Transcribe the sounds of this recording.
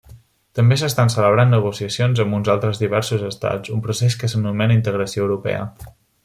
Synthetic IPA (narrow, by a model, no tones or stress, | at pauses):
t̪əmbesəst̪ansələβ̞ɾanːəɣ̞usiəsionzəmbunzalˠt̪ɾəzðiβ̞ɛɾsuzəst̪a̰t͡sd͡zumpɾuseskəsənumɛnəint̪əɣ̞ɾəsioəwɾupɛ̰ə̰